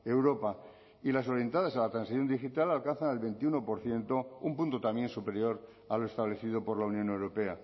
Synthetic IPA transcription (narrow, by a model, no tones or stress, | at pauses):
e̞wɾo̞pa | ilas̬o̞ɾje̞nt̪að̞asalat̪ɾansiθjo̞nd̪ixit̪alalkanθanelβe̞nt̪iuno̞po̞ɾθje̞nt̪o̞umpunt̪ot̪amje̞nsupe̞ɾjo̞ɾ | aloe̞st̪aβle̞θið̞opo̞ɾlaunjõ̞ne̞wɾo̞pe̞a